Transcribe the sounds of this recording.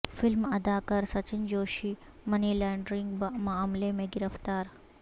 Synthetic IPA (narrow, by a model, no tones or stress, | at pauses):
fɪlmɐd̪akɐɾsɐt͡ɕind͡ʑoːʃiː | mɐniːlaɳɖɾiŋɡbmɐamlemẽɡɪɾəft̪aːɾ